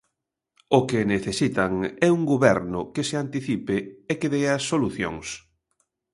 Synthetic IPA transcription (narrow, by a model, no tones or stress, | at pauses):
ʊkeneθesit̪aŋɛuŋɡuβɛɾnʊkesɪant̪iθipɪekeðeasoluθjo̰ŋs